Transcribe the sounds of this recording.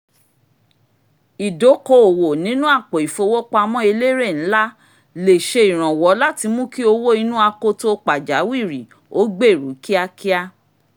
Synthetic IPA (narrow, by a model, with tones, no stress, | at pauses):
i˨do˨˦ko˧o˨wo˨nĩ˨˦nũ˦a˦˨k͡po˨i˨fo˧wo˦k͡pa˧mɔ̃˦e˧le˦ɾe˦˨ñ̩˨˦la˦ | le˨ʃe˧i˨ɾ̃ã˨wɔ˨˦la˦ti˧mũ˦ki˦o˧wo˦i˧nũ˦a˧ko˧to˦k͡pa˨d͡ʒa˨˦wi˦˨ɾi˨ | o˦ɡ͡be˦˨ɾṵ˨˦ki˦a˧ki˦a˧